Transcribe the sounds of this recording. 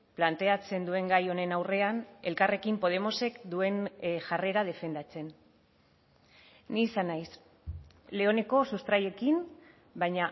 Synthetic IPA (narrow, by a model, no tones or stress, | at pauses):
plant̪e̞at͡se̞nd̪ue̞ŋɡajo̞ne̞nawre̞ane̞lkare̞kimpo̞ð̞e̞mo̞se̞kd̪ue̞nʝare̞ɾað̞e̞fe̞nd̪at͡se̞n | niːsanajs | le̞o̞ne̞ko̞sust̪ɾaje̞kim | bajɲa